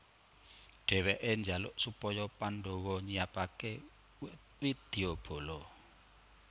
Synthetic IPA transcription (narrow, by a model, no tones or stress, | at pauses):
ɖ̥ɛ̤weʔeɲd͡ʒalʊ̰ʔsupɔjɔpanɖɔwɔɲijapake | widd̪̥eob̥o̤lɔ